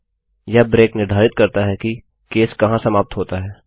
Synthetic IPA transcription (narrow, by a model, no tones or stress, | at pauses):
jabɾeːknɪɾd̪ʱaːɾɪt̪̚kɐɾt̪aɦɛki | keːskɐɦãsɐmaːp̚t̪ɦoːt̪aɦɛː